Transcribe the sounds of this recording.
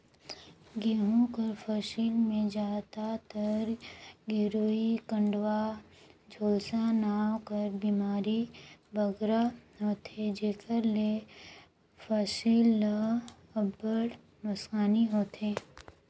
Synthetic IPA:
ɡiɦõkəɾfəʃilmẽd͡ʒaːt̪at̪əɾɡɪɾoːikə̃ɳɖwa | d͡ʒʱoːsanaːwkəɾbiːmaːɾibəɡɾaɦoːt̪ed͡ʒeːkəɾle | fəʃil | əbəɽ | nʊskaːniɦoːt̪eː

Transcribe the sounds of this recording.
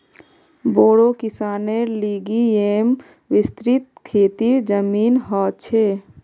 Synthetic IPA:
boːɽokisaːneliɡiem | ʋist̪ɾit̪̚kʰeːt̪id͡ʒəmiːnɦɔt͡ʃʰe

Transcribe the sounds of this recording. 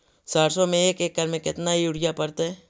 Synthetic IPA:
saːɾsomẽeːkeːk̚ːəɾmẽkɪt̪naɦiʊɽɪjapɐɾt̪eɛː

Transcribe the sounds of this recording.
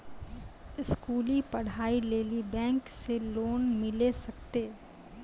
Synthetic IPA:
ɪskuːlipɐɽ̤aːileːlibɛ̃ːŋkseloːnmɪlesɐk̚t̪eː

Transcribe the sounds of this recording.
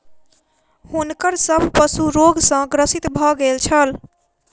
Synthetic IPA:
hunkəɾsəbʱpəsuɾoɡsə̃ɡɾəsit̪bʱɔɡelt͡ʃʰəl

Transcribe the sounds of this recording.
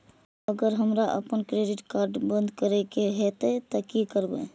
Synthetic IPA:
əɡəɾɦəmɾaʔə̰pənkɾeɖɪʈkaɾɖbənd̪kəɾɛkeɦɛt̪ɛt̪ɔkikəɾbḛ

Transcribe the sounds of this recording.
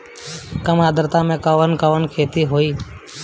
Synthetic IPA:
kəmaːd̪əɾt̪ãːmẽːkəʋənkəʋənkʰeːt̪iːɦoːiː

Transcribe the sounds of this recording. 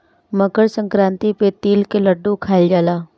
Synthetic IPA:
məɡəɾsə̃ŋkɾãːnt̪ipet̪iːlkeləɖːũkʰaːld͡ʒaːlaː

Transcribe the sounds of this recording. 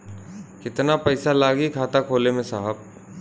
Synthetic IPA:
kɪt̪napɐɪsalaːɡikʰaːt̪akʰoːlemẽsaɦəb̚

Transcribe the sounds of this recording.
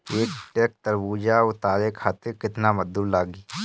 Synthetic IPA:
eːkʈeːk̚t̪əɾbuːd͡ʒaʊt̪aːɾekʰaːt̪ɪɾkɪt̪naməd̪ːuːɾlaːɡiː

